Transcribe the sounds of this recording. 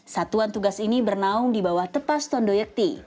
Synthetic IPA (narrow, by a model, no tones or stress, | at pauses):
sat̪uant̪uɡasinibərnaʊŋdibawaht̪əpast̪ɔndojək̚t̪i